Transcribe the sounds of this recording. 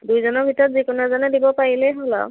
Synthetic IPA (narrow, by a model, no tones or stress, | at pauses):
dujzɔnɔɹbʱitɔɹɔtzikunazanɛdibɔpaɹilɛɦɔlɔ̰